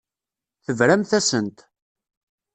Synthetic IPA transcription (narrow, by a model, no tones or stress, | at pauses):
θəvɾæmθæsənt̪